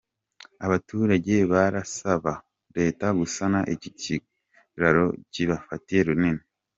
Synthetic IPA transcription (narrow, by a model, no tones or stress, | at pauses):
aβatuːɾaɟe̞βaɾasaβa | ɾe̞ːtaɡusanaʔecici | ɾaɾo̞̰ciβafatije̞ɾunine